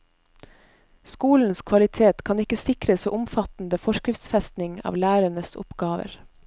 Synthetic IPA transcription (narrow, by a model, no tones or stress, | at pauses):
skuːln̩skʰʋɑlɪt̪ʰeːt̪kʰɑnɪkəsɪkɾəsoːʔʊmfɑt̪n̩d̪əfɔʃkɾɪft̪sfɛst̪nɪŋɑ̰ːʋlæːɾəɳəsʊ̰pɡ̥ɑːʋə̰ɾ